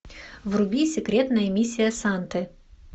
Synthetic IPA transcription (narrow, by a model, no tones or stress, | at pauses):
vrʊbʲisʲɪkɾʲet̪nəjəmʲisʲːɪjəsant̪ɨ